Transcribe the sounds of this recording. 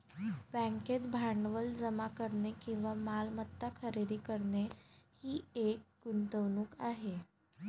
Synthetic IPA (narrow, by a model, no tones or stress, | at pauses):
bɛ̃ŋket̪bʱaɳɖʋəld͡zəmakəɾɳekĩw̃ʋamalmət̪ːakʰəɾed̪iːkəɾɳehiːek̚ɡunt̪əʋnuːkaɦe